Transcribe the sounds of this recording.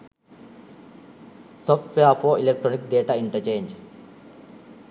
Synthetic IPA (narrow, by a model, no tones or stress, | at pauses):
sɔfʈʋeafʰɔːilek̚ʈɾonik̚ɖeːʈaiɳʈət͡ʃẽːɲd͡ʒ